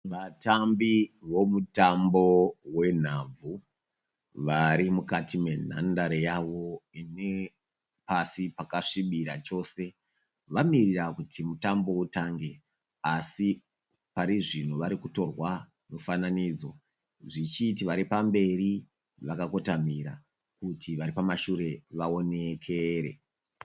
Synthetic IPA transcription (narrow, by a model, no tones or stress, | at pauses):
ʋatambiʋo̞mutambo̞we̞n̤ab͡vu | ʋaɾimukatime̞n̤a̰ndaɾejaʋo̞ine̞ | pasipakaʂiɓiɾat͡ʃo̞ːse̞ | ʋamirirakutʰimutambo̞utaŋɡe̞ | asi | paɾiʐinuʋaɾikuto̞rwa | nofananiːd͡zo̞̰ | ʐit͡ʃitiʋaɾipambe̞ɾi | ʋakako̞tam̤iɾa̰ | kutʰiʋaɾipamaʃuɾe̞ʋao̞ne̞kʰeɾe̞̰